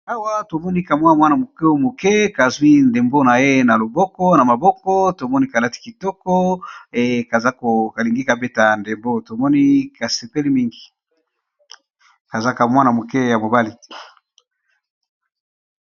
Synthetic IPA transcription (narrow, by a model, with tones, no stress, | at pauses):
a˦wa˦to˨mɔ˦ni˦ka˨mwa˦mwa˦na˨mo˨ke˦mo˨ke˦ka˨zwi˦nde˨mbo˦na˨je˦na˨lo˨bɔ˦kɔ˦na˨ma˨bɔ˦kɔ˦to˨mɔ˦ni˦ka˨la˦ti̥˨ki˨tɔ˦kɔ˦˨ | ka˨za˦ko˨ka˨li˨ŋɡi˦ka˨be˦ta˨nde˨mbo˦to˨mɔ˦ni˦ka˨se˨pe˦li˦mi˦ŋɡi˨ | ka˨za˦ka˨mwa˦na˨mo˨kɛ˦ja˨mo˨ba˦li˦